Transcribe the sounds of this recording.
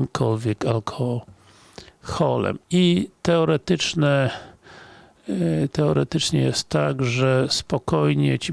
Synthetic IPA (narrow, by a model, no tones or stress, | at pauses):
mkʰɔlvʲjɛkalkʰɔ | xɔlɛ̰mit̪ɛɔɾɛt̪ɘt͡ʂnɛ | t̪ɛɔɾɛt̪ɘt͡ʂɲɛ̰jɛst̪ːaɡʐɛspɔkɔjɲɛt͡ɕi